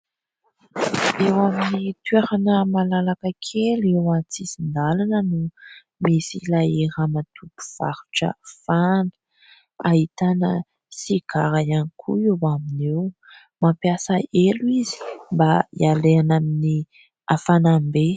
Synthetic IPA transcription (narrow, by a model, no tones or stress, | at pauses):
ewaminit̪eɾanəmalalakəkʰelewat͡sisind̪alanənu | misilaeɾamat̪ʰupu̥v̥a̰ɾu̥ʈ͡ʂə̰fanə̥ | ahit̪anə̰ | siɡ̥aɾajanikʰṵewaminew | mampjasəeluizi̥mbaḭaleanamini | afanambe